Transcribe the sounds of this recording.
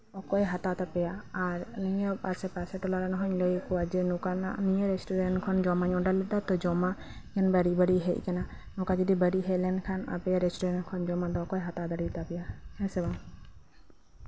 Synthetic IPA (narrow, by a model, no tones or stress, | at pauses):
ɔkɔjɦat̪at̪apɛjaːɾnijɔpasɛpasɛʈɔlaɾanɔɦɔɲlɔjikɔwad͡ʒɛnɔkananijɔɾɛsʈuɾɛɳʈkʰɔnd͡ʒɔmaɲɔɖalːɛd̪at̪ɔd͡ʒɔma | jɛnbəɽibəɽiɦɛʔ̚ˀkana | nɔkad͡ʒəd̪ibəɽiɦɛlɛnkʰana̰pɛjaɾɛsʈuɾɛɳʈkʰɔnd͡ʒɔmad̪ɔkɔjɦat̪ad̪aɽit̪apɛjahɛsɛbaŋ